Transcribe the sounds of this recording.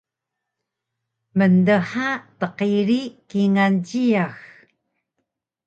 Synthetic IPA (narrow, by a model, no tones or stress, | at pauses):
məndəħatəqiɾikiŋanɟiax